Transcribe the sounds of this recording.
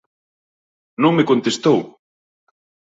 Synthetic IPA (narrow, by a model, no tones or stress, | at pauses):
nõŋmekont̪est̪ow